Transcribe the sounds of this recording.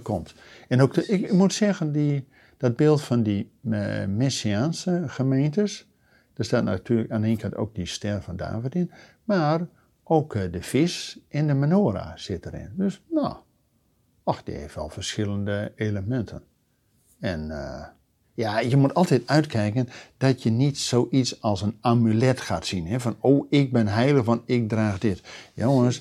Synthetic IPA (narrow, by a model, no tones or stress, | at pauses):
kʰɔmt | ɛnokɪkkmutsɛɣəndi | d̥ɔd̚bɪːlˠtfɔndi | mɛsiaːnsəχəmeːntəs | d̥astaːt̚na̰tʰyːləkaːneːnkʰɑ̃nto̰ːk̚distɛrfɔnda̰ːvətɪn | maːr | ʔoːkdəfɪsɪndəmanoːɾa̰sɪtəɾɪ̰ndøsno̰ | ɔxd̥ɪ̰heftʋɛ̰lˠfərsxɪlˠəndəeːləmɛntʰən | ɛn | jajəmutɑlˠtɛtœɥtkʰɛjkənd̥ɔtjənitsoːʔitsɔlˠsənamylɛtxaːtsinɦɛvɔnoːʔɪk̚bɪnɦɛjlˠəxʋɔntɪk̚draːxdɪtjoŋəns